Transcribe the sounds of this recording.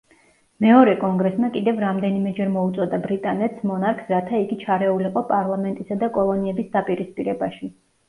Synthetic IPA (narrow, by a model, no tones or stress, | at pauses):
mɛɔɾɛkʼɔŋɡɾɛsmakʼid̪ɛvɾamd̪ɛnimɛd͡ʒɛɾmɔut̪sʼɔd̪abɾit̪ʼanɛt̪smɔnaɾkʰsɾat̪ʰaiɡit͡ʃʰaɾɛuliqʼɔpʼaɾlˠamɛnt̪ʼisad̪akʼɔlˠɔniɛbisd̪apʼiɾispʼiɾɛbaʃi